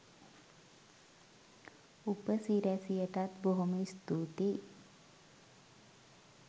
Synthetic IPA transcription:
upəsiɾæsijəʈat̪boɦoməist̪uːt̪i

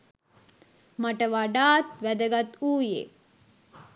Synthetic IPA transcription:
maʈəʋaɖaːt̪ʋæd̪əɡat̪uːjḛ

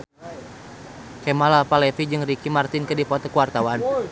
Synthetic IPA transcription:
kɛmalalpalɛfid͡ʒɨŋrikimart̪ɪnkədipɔt̪ɔkuwart̪awan

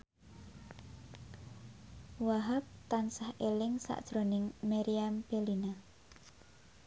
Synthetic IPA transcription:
waɦap̚t̪ansahelɪŋsa̰ʔd̥ʒ̥ɾonɪŋmaɾiampelina

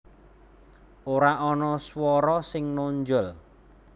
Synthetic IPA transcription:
oɾaʔɔnɔswɔɾɔsɪŋnoɲd͡ʒʊl

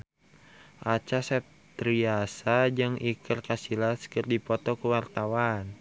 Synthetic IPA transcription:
ʔat͡ʃasɛp̚t̪ɾiasad͡ʒɨŋikərkasilaskərdipɔt̪ɔkuwart̪awan

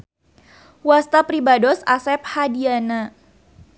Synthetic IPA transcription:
wast̪apɾibadɔsasɛp̚hadiana

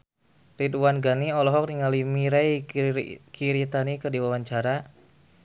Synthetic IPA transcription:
rit̪uwanɡaniɔlɔɦɔk̚niŋalimiɾaj | kʰiɾit̪anikədiwawaɲt͡ʃaɾa

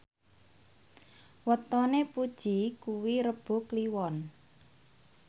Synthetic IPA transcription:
wət̪ɔnepud̥ʒ̥ikuwiɾəb̥o̤kliwɔn

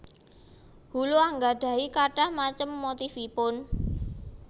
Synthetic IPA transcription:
huluaŋɡaɖ̥ä̤ikaɖ̥ahmat͡ʃəmːot̪ifipʊn

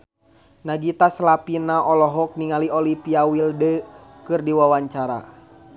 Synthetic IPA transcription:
naɡit̪aslapinaʔɔlɔɦɔk̚niŋaliɔlipiawildəkɨrdiwawaɲt͡ʃaɾa̰

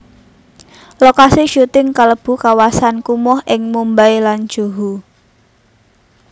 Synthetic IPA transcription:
lokasiʃut̪ɪŋkaləb̥ṳkawasankumɔhɪŋmumbajlan̥ʒ̥o̤ɦu

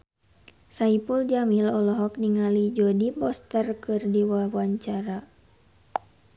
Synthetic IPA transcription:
saipuld͡ʒamilɔlɔɦɔk̚niŋalid͡ʒɔdipɔst̪ərkɨrdiwawaɲt͡ʃaɾa

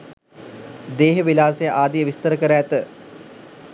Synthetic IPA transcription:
d̪eːɦəʋilaːsejəʔaːd̪ijəʋist̪əɾəkəɾaːt̪ə

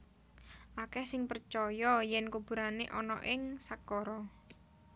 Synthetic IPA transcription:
ʔakɛhsɪŋpərt͡ʃɔjɔjɛnkub̥ṳɾaneʔɔnɔ̰ʔɪŋsakɔɾɔ

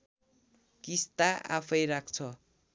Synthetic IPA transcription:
kist̪aʔa̰pʰʌjrakʰt͡sʰʌ

